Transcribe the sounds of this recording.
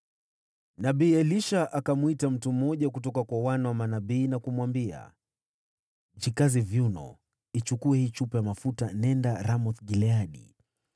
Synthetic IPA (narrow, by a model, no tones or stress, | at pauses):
naɓiːɛliʃaʔakamuitam̩tum̩ːɔʄakutɔkakwawanawamanaɓiːnakumuwambia̰ | d͡ʒikazivjunɔ̰ | it͡ʃukuɛhiːt͡ʃupɛjamafutanɛndaɾamɔθɡilɛaɗḭ